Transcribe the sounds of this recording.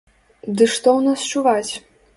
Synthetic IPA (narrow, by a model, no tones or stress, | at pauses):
d̪ɨʂt̪ɔwnast͡ʂuvat͡sʲ